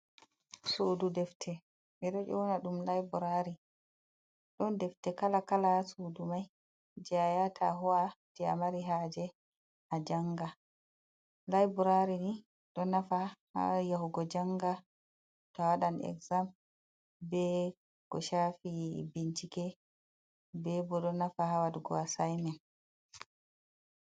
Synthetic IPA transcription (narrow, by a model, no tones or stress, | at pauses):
sududɛftʰɛ | ɓɛɗɔʔɔwnaɗumlajbuɾaɾi | ɗɔndɛftɛkalakalasudumaj | d͡ʒɛajatʰa̰ɦɔwad͡ʒɛa̰maɾiɦad͡ʒɛ | had͡ʒaŋɡa | lajbɔɾaɾini | ɗɔnafaha̰jaɦuɡɔd͡ʒaŋɡa | tawaɗanɛ̰kzam | bɛ | ɡ̥ɔ̰ʃafibint͡ʃikɛ | bɛbɔɗɔnafahawadɡɔ̰asajmɛn